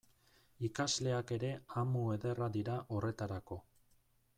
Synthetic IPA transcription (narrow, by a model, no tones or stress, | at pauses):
ikazle̞ake̞ɾe̞amue̞ðe̞rad̪iɾaʔo̞re̞t̪aɾako̞